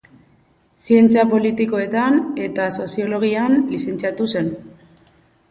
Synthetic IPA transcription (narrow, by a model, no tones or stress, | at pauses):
sie̞nt͡siapo̞lit̪iko̞e̞t̪ane̞t̪aso̞sio̞lo̞ɣ̞ianlise̞nt͡siat̪use̞n